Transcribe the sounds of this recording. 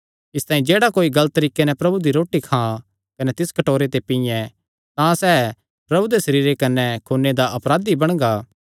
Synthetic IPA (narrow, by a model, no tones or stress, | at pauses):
ɪst̪ãːĩd͡ʒeːɽakoːiɡɐlt̪ːɐɾiːkenɛpɾɐbud̪iɾoːʈikʰã | kɐnɛt̪ɪskɐʈoːɾet̪epɪjɛ̃ | t̪ãsɛː | pɾɐbud̪esɐɾiːɾekɐnɛkʰoːnːed̪aʔɐpɾaːd̪ibɐɽ̃ɡaː